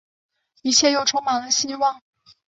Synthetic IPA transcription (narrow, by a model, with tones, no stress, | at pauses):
i˥˩t͡ɕʰjɛ˥˧jo˥˩ʊʈ͡ʂʰʊ˥ŋmɑ˧˥ŋd̪ə˧ɕi˥wɑ˥˩ŋ